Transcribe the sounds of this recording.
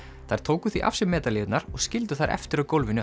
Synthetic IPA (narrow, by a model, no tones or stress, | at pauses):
θajɾ̥t̪ʰoːwkʏθviʔa̰fsɪmːɛːt̪alɪːvɪt̪naɾɔɣscɪlt̪ʏθajɾʔɛ̰ft̪ɪɾakowlvɪnʏ